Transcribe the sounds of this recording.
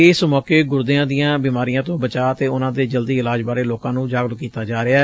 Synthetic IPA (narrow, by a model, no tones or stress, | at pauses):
ɪːsmɔːkeːɡʊɾd̪ɪãːd̪ijãːbiːmaːɾijãːt̪õːbət͡ʃaːət̪eːʊnãːd̪eːd͡ʒəld̪iːɪlaːd͡ʒbaːɾeːloːkãːnũːd͡ʒaːɡlkiːt̪aːd͡ʒaːɾɪaː